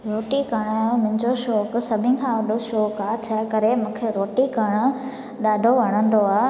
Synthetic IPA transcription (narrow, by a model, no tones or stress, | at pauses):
ɾoːʈikɐɽ̃ʊmʊ̃ɦɪ̃ɲd͡ʑoʃoːksɐbʱɪ̃n̆kʰãːʋɐɖʱoʃoːkaːt͡ɕʰɐkɐɾemũːkʰeɾoːʈikɐɽ̃ʊ̆ | ɗaːɖʱoʋɐɽ̃ə̃nd̪oaː